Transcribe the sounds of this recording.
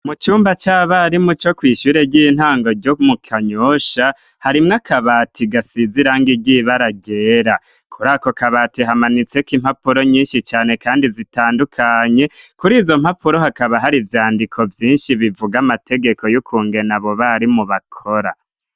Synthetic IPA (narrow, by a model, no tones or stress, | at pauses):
mut͡ʃuːmbat͡ʃaβaɾimut͡ʃo̞kwiːʃuːɾe̞ɟiːn̥haːŋɡo̞ɾɟomukʰaɲoʃa | haɾimŋakaβaːtʰiɡasiziɾaŋɡiɟiβaɾaɟe̞ːɾa | kʰuɾaːko̞kaβaːtiɦamanit͡se̞kim̥hapuɾo̞ɲiːnʃit͡ʃaːne̞kaːndizitaːndukʰaɲe̞kuɾiːzo̞m̥hapuɾo̞hakaβaɦaɾivjaːndikʰo̞vjiːnʃiβivuɡamate̞ɡe̞ko̞jukʰuːŋɡe̞naβo̞βaɾimuβakʰo̞ɾa̰